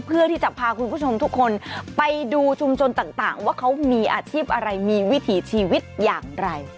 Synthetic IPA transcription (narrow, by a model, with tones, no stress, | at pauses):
pʰɯ˥˩ɐt̪ʰiː˥˩t͡ɕa˨˩pʰːaː˧kʰu˧nkʰu˥˩o˧mt̪ʰu˦˥kʰːo˧npa˧jduː˧t͡ɕʰu˧mt͡ɕʰo˧nt̪aː˨˩ŋt̪aː˨˩ŋwaː˥˩kʰa˦˥wmiː˧ʔaː˧t͡ɕʰiː˥˩p̚ʔa˧ɾa˧jmiː˧wi˦˥t̪ʰiː˩˦t͡ɕʰiː˧wi˦˥t̪̚jaː˨˩ŋɾa˧j